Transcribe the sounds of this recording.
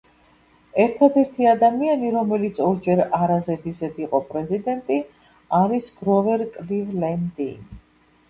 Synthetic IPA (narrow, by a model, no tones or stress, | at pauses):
ɛɾt̪ʰad̪ɛɾt̪ʰiad̪amianiɾɔmɛlit̪sʰɔɾd͡ʒɛɾaɾazɛd̪izɛd̪iqʼɔpʼɾɛzid̪ɛnt̪ʼi | aɾisɡ̥ɾɔvɛɾkʼlivlɛnd̪in